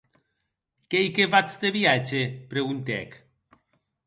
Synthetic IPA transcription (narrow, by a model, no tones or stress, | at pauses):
kejkevat͡sd̪eβiat͡ʃepɾeɣunt̪ɛ̰k